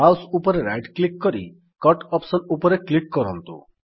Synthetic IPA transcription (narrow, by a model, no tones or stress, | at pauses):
awsupɔɾeɾajɖklikkɔɾi | kɔʈɔpsɔnupɔɾeklikːɔɾɔnt̪ṵ